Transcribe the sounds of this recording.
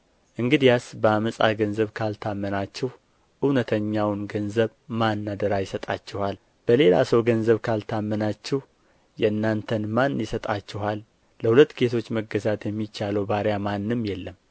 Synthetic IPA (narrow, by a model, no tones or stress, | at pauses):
ʔɨŋɡɨd̪ijasbəaməsʼa̰ɡənzəβkʰalt̪ʰamːənat͡ʃːɛh | ʔɨwnət̪ʰəɲːawnɡənzəβmanːad̪əɾajɪsət̪ʼat͡ʃːɛhal | b̥əle̞la̰səwɡənzəβkʰalt̪ʰamːənat͡ʃːɛh | jɛnːant̪ʰənmanːjɪsət̪ʼat͡ʃːɪɦalː | əhulət̪ːɡe̞t̪ʰo̞t͡ʃːməɡəzat̪jɛmːit͡ʃːaləwbaɾjamanːɨmjɛlːəm